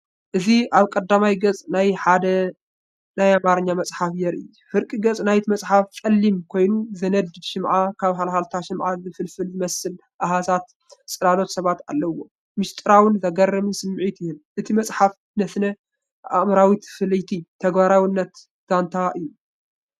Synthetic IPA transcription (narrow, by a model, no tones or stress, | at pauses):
ʔɨziʔaβkʼɐd̪ːamajɡɐt͡sʼnajħad̪ɐ | najamaɾɨɲːamɐsʼħafjɛɾʔɨ̰j | fɨɾkʼiɡɐt͡sʼnajt̪ʰimɐsʼħafkʼɐlːimkʰo̞jnuzɐnɐd̪ɨd̪ʃɪmʕakʰaβɦalhalt̪ʰaʃɪmʕazɨfɨlfɨlzɨmɐsːɨl | ʔaɦazat̪ | t͡sʼɨlalo̞t̪sɐβat̪a̰lːɐwːo | mɨʃt̪ʼɨɾawɨnzɐɡɐrːɨmisɨmːʕit̪ɪhɨnʔɨt̪ʰimɐsʼħaf | nɐsnɐ | ʔa̰mɐɾawit̪ʰɨ̥fɨlɨjt̪ʰit̪ʰɐɡbaɾawɪnːɐt̪ | d̪̥ant̪ʰaʔɨjːu